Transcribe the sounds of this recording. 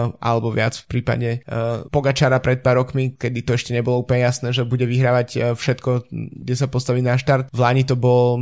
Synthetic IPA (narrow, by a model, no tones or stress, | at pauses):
ʔa̰lɛbɔʋɪat͡sfpɾiːpa̰ɟɛpɔɡat͡ʃaɾapɾɛt̪̚paːɾɔkmikɛd̪it̪ɔɛʃcɛɲɛbɔlɔuplɲɛjasnɛːʒɛbuɟɛʋiɦɾaːʋaɟfʃɛt̪kɔɡɟɛsapɔst̪aʋiːnaʃt̪aɾt̪̚ʋlaːɲit̪ɔbɔl